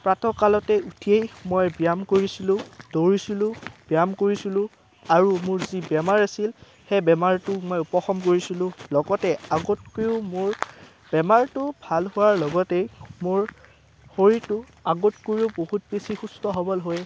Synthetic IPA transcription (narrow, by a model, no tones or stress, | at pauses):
pɹatʰɔkalɔtɛutʰiejmojbijamkoɹisilʊ̃d̥oɹisilʊ̃bijamkoɹisilʊ̃ | aɹumʊɹzibɛmaɹasil | xɛbɛmaɹtʊmojupɔxɔmkoɹisilʊ̃lɔɡɔtɛaɡot̚kojʊmʊɹ | b̥ɛmaɹtʊbʱalhʊwaɹlɔɡɔtejmʊɹ | hoɹitʊ | aɡotkoɹiuʊbohut̚pesixustɔɦɔbɔlɦoj